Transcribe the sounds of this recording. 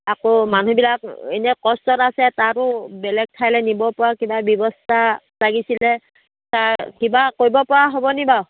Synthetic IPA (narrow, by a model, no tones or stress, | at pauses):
akomanubilakenɛkɔstɔtasɛtaɾʊbɛlɛɡ̚tʰajlɛnibɔpɔɹakibabjɔbɔstataɡisilɛ | takibakojbɔpɔɹaɦobɔnibaw